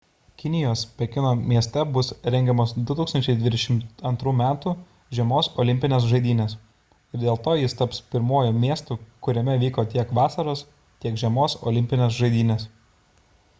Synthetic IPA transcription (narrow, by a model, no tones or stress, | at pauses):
kʲɪnʲɪjoːspʲɛkʲɪnoːmʲiɛsʲt̪ʲɛbʊsɾʲɛŋʲɡʲɛmoːsd̪ʊt̪uːksɐnʲt͡ʃʲɛɪd̪ʲʋʲɪd̪ʲɛʃʲɪmt̪ɐnt̪ɾuːmʲæːt̪u | ʒʲɛmoːsɔ̰lʲɪmʲpʲɪnʲeːs̬ʒɐɪd̪ʲiːnʲeːs | ɪɾd̪ʲeːlˠt̪oːjɪst̪ɐpspʲɪɾmoɔːjuːmʲiɛst̪uːkʊɾʲɛmʲɛʋʲiːkoːt̪ʲiɛkʋɑːsɐɾoːs | t̪ʲiɛkʒʲɛmoːsɔ̰ːlʲɪmʲpʲɪnʲeːsʒɐɪd̪ʲiːnʲes